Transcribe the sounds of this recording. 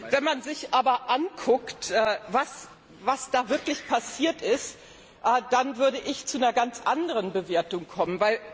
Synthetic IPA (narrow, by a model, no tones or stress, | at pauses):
vɛnmanzɪçʔaːbɐʔankʰʊktʔɛːvas | vasd̥aːvɪɐklɪçpʰasiːɐtɪst | ʔɛːd̥anvʏɐɾəʔɪçt͡sunɐɡant͡sʔandəʁənbəveːɐtʊŋkʰɔmənvaɪl